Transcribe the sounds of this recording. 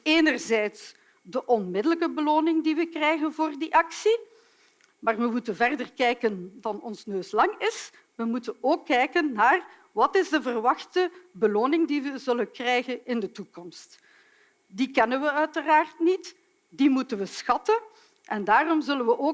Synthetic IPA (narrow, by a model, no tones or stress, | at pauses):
eːnərzɛjts | dəʔɔnmɪdələkəbəloːnɪŋdiʋəkrɛjɣənvoːrdiʔɑksi | maːrʋəmutənvɛrdərkɛjkənvɑnɔnsnøːslɑŋɪs | ʋəmutənoːkːɛjkənːaːr | ʋɑtɪzdəvərʋɑxtəbəloːnɪŋdiʋəzɵlənkrɛjɣənɪndətukɔmst | dikɛnənʋəœɥtəraːrtnit | dimutənʋəsxɑtən | ʔɛndaːrɔmzɵlənʋəʔoː